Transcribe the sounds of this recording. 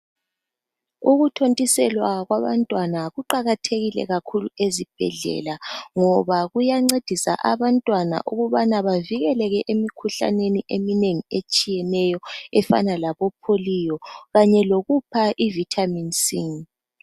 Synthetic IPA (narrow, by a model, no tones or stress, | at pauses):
uɣutʰontʼisɛlwaɣwaβantʼwanaɣuǃaɣatʰeɣilɛ̰ɣakʰuluezib̥ʱɛ̰ɮɛ̰laŋɔβaɣujaŋ͡ǀed̥ʱisa̰ʔaβantʼwana̰ʔuɣuβanaβaviɣɛlɛɣɛʔemikʰuɬa̰neniʔemineŋiet͡ʃʼijɛnɛjɔɛfa̰nalaβɔpʰolijɔɣaɲɛloɣupʰaʔivitʰaminsiŋ